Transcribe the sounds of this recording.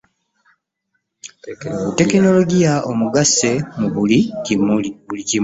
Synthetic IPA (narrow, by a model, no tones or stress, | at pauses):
ute̞keno̞lo̞ɟijaʔomuɡase̞muβulicimuliβulici